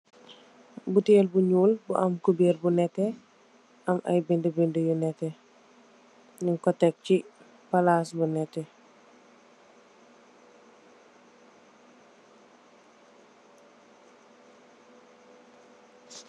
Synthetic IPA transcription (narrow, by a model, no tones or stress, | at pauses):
butelbuɲuːlbuʔɐmkubeːɾbunɛtːɛ | ɐmɐ̰jbindəbindəjunɛte | niŋkɔtɛk̚ci | palasbunɛtɛ